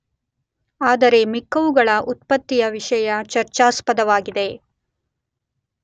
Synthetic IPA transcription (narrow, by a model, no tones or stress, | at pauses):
aːd̪ɐɾe̞mikːɐʋuɡɐɭɐʔut̪pɐt̪ːijɐʋiʂɐjɐt͡ʃɐɾt͡ʃaːspɐd̪ɐʋaːɡid̪e̞